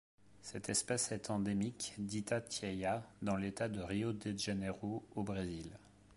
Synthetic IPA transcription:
sɛt̪ɛspɛsɛt̪ʰɑ̃d̪emikd̪it̪at̪jɛjad̪ɑ̃let̪ad̪əʁiod̪eʒeneʁoobʁezil

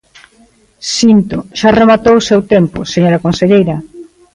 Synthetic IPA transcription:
sint̪oʃaremat̪owʊsewt̪empʊseɲoɾɐkonseʎejɾɐ

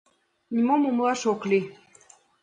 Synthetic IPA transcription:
nʲimomumlˠɑʃokli

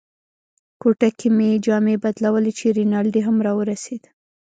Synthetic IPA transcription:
koʈakʰimed͡ʒɑmebad̪lawəlet͡ʃeɾinɑld̪eɦamɾɑwəɾased̪

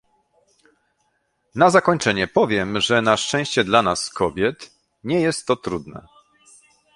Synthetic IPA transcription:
nazakɔɲt͡ʂɛɲɛpɔvʲjɛmʐɛnaʂt͡ʂɛ̃w̃ɕt͡ɕɛd̪lanaskɔbʲjɛt̪ | ɲɛjɛst̪ːɔt̪ɾud̪nɛ̰

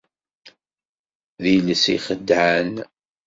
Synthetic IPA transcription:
ðiləsḭχəd̪ʕan

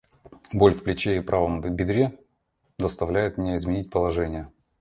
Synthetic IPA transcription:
bo̞lʲfplʲɪt͡ɕeɪpɾʔavəmbʲɪd̪ɾʲe | zəst̪ɐvlʲæjɪt̪mʲɪnʲeɪzmʲɪnʲit̚ʲpəlˠɐʐɛnʲɪjə

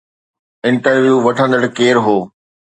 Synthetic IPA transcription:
ɪ̃ɳʈəɾʋjuːʋɐʈʰə̃nd̪əɽkeːɾɦoː

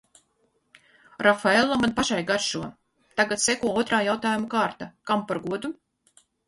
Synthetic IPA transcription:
ɾʔafaelˠːamanpaʃajɡaɾʃuɔ | t̪aɡat̪sɛkuɔɔt̪ɾaːjawt̪aːjumukaːɾt̪akampaɾɡuɔd̪u

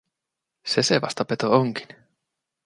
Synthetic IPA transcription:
seseʋɑ̰st̪ɑpet̪ooŋki̥n

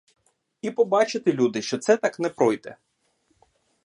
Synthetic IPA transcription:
ipɔbɑt͡ʃet̪ɪlʲud̪ɪʃt͡ʃɔt̪sɛt̪ɑknɛpɾɔjd̪ɛ̰

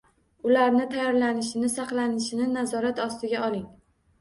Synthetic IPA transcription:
ʊlaɾnɪt̪ʰajɒɾlanɪʃɪnɪsɑqlˠanɪʃɪnɪnazɒɾat̪ɒst̪ɪɡʲaʔɒlˠɪŋ

